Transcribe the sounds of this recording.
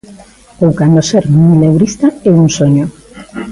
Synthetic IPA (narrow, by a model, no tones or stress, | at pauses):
powkand̪oseɾmijlewɾist̪aeuŋsoɲo